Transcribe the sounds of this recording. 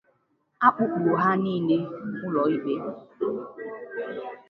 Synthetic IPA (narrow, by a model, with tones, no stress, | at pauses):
a˦k͡pʊ˦k͡plo˨ɦa˦niː˦˨ne˦kʊ˦lɔ˨i˦be˦